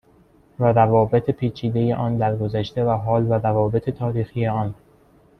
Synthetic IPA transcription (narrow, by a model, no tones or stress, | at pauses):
væɾævɒːbet̪ʰepʰiːt͡ʃʰiːd̪e̞je̞̰ʔɒːnd̪æɾɡozæʃt̪e̞væɦɒːlvæɾævɒːbe̞t̪ʰet̪ʰɒːɾiːxije̞ɒːn